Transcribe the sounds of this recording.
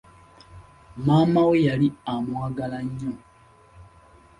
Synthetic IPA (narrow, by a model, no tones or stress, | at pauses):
maːmawejaliamwaːɡalaɲːo